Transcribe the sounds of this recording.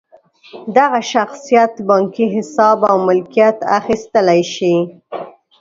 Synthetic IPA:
d̪aɣaʃaxsijat̪bɑŋkiɦɪsɑbawmɪlkijat̪a̰xist̪əlajʃi

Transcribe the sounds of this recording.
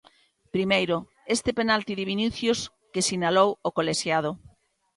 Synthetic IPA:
pɾimejɾʊ | est̪ɪpenalt̪iðɪβiniθjʊs | kesinalowokoleʃjað̞ʊ

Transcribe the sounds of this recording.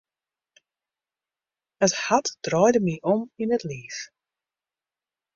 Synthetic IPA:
əshatd̥ɾɔjdəmiʔɔmɪnətliːθ

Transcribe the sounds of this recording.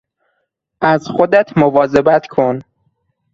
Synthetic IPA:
ʔæzxod̪æt̪ʰmovɒːzebæt̪ʰkʰon

